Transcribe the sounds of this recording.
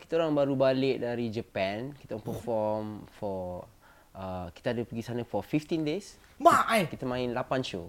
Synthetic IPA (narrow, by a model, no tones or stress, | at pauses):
kit̪aoɾaŋbaɾubalɪʔ̚daɾid͡ʒəpɛ̃nkit̪aɔŋpəfɔmfɔ | ʔəki̥t̪aadəpəɡisanə̃fɔfift̪ĩndes | bajkit̪əmãɪ̃nlapanʃo